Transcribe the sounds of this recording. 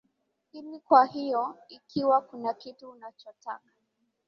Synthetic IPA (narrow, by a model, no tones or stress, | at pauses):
kinikwahijɔikʰiwakunakituːnat͡ʃɔtakḁ